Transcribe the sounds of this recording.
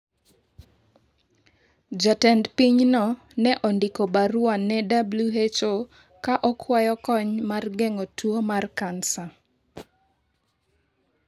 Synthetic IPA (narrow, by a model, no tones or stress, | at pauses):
d͡ʒatɛndpiɲnɔ | nɛʔɔndikobaɾʊwanːɛdabluet͡ʃo | kaʔɔkʰwajɔkɔɲmarɡɛŋotuomarkansa